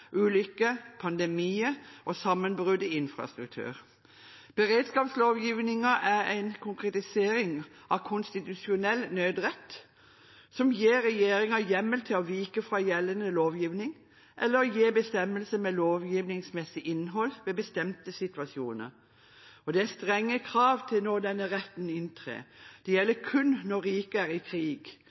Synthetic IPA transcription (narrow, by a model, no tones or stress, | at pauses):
ʔʉːlʏkːəpʰɑnd̪ɛmiːəʔɔsɑmːənbʁʉd̪əɪnfɾɑ̰st̪ɾʉk̚t̪ʰʉ̰ːɾ | b̥əɾeːd̪skɑːpsloːʋjiːʋnɪŋɑʔæɾæɪnkʰʊŋkʁɛt̪ɪseːɾɪŋ | ʔɑʋkʰʊnst̪ɪt̪ʉsɪʊnɛlːnøːd̪ʁɛt̪ː | sɔmjeːɾɛjeːɾɪŋɑjɛmːəlt̪ʰɪlɔʋiːkəfɾɑjɛlːənəloːʋjiːʋnɪŋ | ʔɛlːəɾɔjeːbəst̪ɛmːəlsəmɛloːʋjiːʋnɪŋsmɛsɪʔɪnːɦɔlʋɛbəst̪ɛmt̪əsɪt̪ʋɑsjuːnə̰ɾ | ɔd̪ɛæst̪ʁɛŋːəkʰɾɑːʋt̪ʰɪlnoːd̪ɛnːəɾɛt̪ːn̩ɪnt̪ʰʁḛːd̪̥ɛjɛlːəkʰʉnnɔɾiːkəæɾɪkʰɾiːɡ